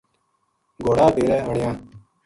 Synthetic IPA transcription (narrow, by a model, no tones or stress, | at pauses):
ɡoːɽaːɖeːɾeːɦəɳɪjãː